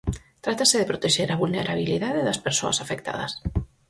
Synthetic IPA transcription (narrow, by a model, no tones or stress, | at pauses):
t̪ɾat̪aseðepɾot̪eʃʒeɾaβulneɾaβ̞iliðaðeðɐspeɾso̰ɐ̰safekt̪a̰ðɐ̰s